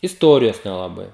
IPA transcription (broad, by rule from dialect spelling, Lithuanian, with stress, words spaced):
ɪsˈtoːrʲɪjoːs nʲɛlˠɐˈbɐɪ